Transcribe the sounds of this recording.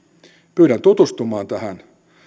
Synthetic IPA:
pyːɾænt̪ut̪ust̪umɑːnt̪æhæn

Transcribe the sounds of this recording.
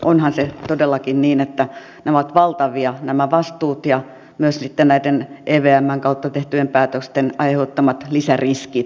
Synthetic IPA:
ʔonhɑnset̪odelːɑkinniːnet̪ːæ | næoɑt̪ʋɑlt̪ɑʋiɑnæmæʋɑst̪uːt̪jɑ | myøssit̪ːennæit̪enʔeːʋeæmːæŋkɑut̪ːɑt̪eht̪yempæːt̪økst̪enʔɑihoːt̪ːɑmɑt̪lisæriskit̪

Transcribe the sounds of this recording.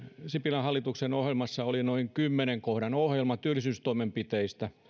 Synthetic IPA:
sipilɑhɑlːit̪uksenohjelmɑsːɑolinoiŋkymːeneŋkohɾɑnohjelmɑt̪yølːˑisyːst̪oimempit̪eist̪æ

